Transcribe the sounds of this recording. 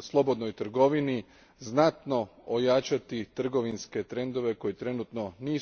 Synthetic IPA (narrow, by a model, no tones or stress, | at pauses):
slˠo̞bo̞d̪nojt̪r̩ɡo̞ʋini | znat̪no̞ojat͡ʃat̪it̪r̩ɡo̞ʋinske̞t̪ɾe̞nd̪o̞ʋe̞ko̞jet̪ɾe̞nut̪no̞niː